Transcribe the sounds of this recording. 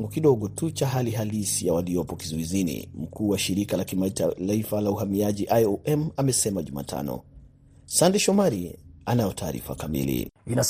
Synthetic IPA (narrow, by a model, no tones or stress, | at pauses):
ŋɡukiɗɔɠɔtut͡ʃaɦaliɦalisijawaliɔpɔkizɔizinḭm̩kuːwaʃiɾikalakimaitlaifalauɦamiaʄiʔajɔʔɛmamɛsɛmaʄuma̰ːtʰa̰nɔ̰ | sandɛʃɔmaɾianajɔtʰaːɾḭfa̰kamḭlḭinas